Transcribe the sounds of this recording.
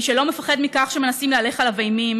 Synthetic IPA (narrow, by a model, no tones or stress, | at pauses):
ʃelo̞mefaχed̪mikaχʃeme̞nasimleale̞χalavejmim